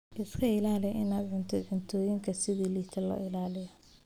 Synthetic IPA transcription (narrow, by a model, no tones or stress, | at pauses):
ʔɪskʰɐɪlaːlɪjʔɪnaːd̪ʕʊnt̪ʰɔd̪ʕʊnt̪ʰɔːjɪŋkʰɐsɪðiːliːt̪ʰɐlɔ̰ːʔɪlaːlɪjɐ